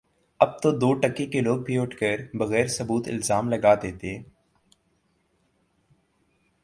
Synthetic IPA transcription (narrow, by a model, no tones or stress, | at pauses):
ɐb̚t̪od̪oːʈɐkekeloːɡ̚bʱiʊʈʰkəɾbɐɣɛːɾsɐbuːt̪ɪ̰lzaːmlɐɡaːd̪eːt̪eɛ̃ː